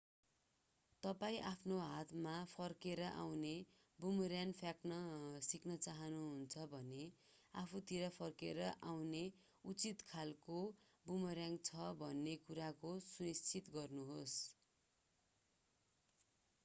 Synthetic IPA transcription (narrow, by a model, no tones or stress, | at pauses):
t̪ʌpaĩʔapʰnoɦat̪mapʰʌrkeɾʌʔa̰wne | bumʌɾjanpʰjaknʌsiknʌt͡saɦʌnuɦunt͡sʰʌbʱʌne | apʰut̪iɾʌpʰʌrkeɾʌʔawne | ut͡sit̪kʰalko | bumʌɾjaŋɡt͡sʰʌbʱʌnːekuɾakosunist͡sʰit̪ɡʌrnuɦos